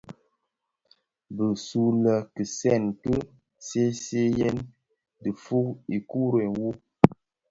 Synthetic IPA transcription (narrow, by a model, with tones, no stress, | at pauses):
bə˨su˦lə˨kɨ˨sɛ˦˨nkə˦ | se˦se˦je˦n | dɨ˨fu˦i˨ku˦ɾe˨nwu˦